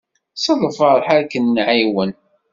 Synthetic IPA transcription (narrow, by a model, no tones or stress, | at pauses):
səðˤəfəɾˤħaɾkənːʕiwən